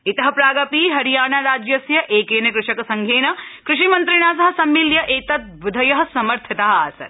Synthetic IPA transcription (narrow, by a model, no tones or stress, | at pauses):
it̪ɐɦɐ̆pɾaːɡɐpiːɦɐɾijaːnɐɾaːd͡ʒjɐsjɐʔeːkeːnɐkɾɪʂɐkɐsɐŋɡʱeːnɐkɾɪʃimɐnt̪ɾɪɳ̃aːsɐɦɐ̆sɐmːiljɐʔeːt̪ɐt̪̚bud̪ʱɐjɐɦɐ̆sɐmɐɾt̪ʰit̪ɐɦɐ̆aːsɐ̰ɾ